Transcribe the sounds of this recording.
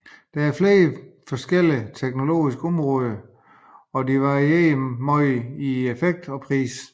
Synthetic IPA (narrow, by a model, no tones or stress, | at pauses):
d̥ææɐfle̝ːfɒ̽sɡ̥el̰it͡sʰeɡ̥no̝lo̝̰ːisɡ̥əɒ̽mʁɔ̽ːð̞ˠɐ | ɒ̽diʋɑʁieːmɒɪiefeɡ̥̚d̥ɒ̽pʰʁḭːs